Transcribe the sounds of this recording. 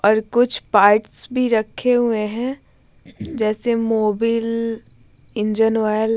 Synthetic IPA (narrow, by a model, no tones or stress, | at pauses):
ɔːɾkʊt͡ʃʰpaːɾʈsbʱiɾɐkʰːeɦueɦɛ̃ | d͡ʒɛːsemoːbiːl | ɪ̃nd͡ʒənwaːl